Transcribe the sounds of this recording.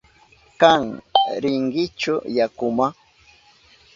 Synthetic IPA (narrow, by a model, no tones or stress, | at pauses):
kaŋɾɪŋɢɪt͡ʃʊjakʊma